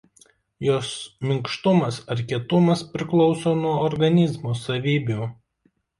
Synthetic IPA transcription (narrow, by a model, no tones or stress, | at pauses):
joːsmʲɪŋkʃt̪ʊmɐsɐɾʲkʲiɛt̪ʊmɐspʲɾʲɪklˠɔʊsoːnuɔɔɾɡɐnʲɪzmoːsɐʋʲiːbʲuˑ